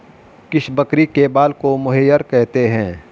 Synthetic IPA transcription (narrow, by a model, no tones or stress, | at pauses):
kɪʃbɐkɾikebaːlkomʊɦejːəɾkɛɦt̪eɦɛ̃ː